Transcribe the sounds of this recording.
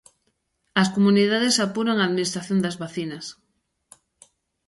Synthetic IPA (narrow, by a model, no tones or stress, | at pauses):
ɐskomuniðaðesapuɾoŋaːðminist̪ɾaθjõnd̪ɐzβaθinɐs